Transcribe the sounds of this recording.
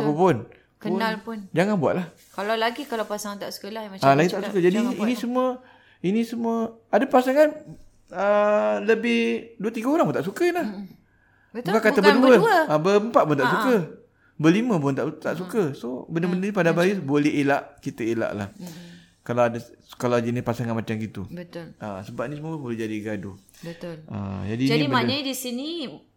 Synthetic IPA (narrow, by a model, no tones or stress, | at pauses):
apapʊn | kəʊnalpʊnd͡ʒaŋanbua̰ʔ̪̚lah | kalalaɡikalawpasaŋt̪aʔsə̥kolahjmaalaɡitt̪aʔsukəd͡ʒadiinĩsəmuə | inisəmuəadapasaŋan | ələbɪhduət̪iɡaoɾaŋpunt̪aʔs̬ukənah | bbukakat̪abədəəabəəmpat̪̚pʊnt̪aʔsukə | bəliməp̬ʊnt̪aʔt̪aʔsukəsobənəbəndənĩpadabajisbolɛɦelaʔkit̪əela̰ʔla̰h | kalawadaskalad͡ʒinipasaŋanmat͡ʃamɡit̪ṵbət̪ʊla̰səbap̚nisəmuəpbolɛhd͡ʒadiɡadṵbət̪ʊlə̰d͡ʒadiniibmanədisini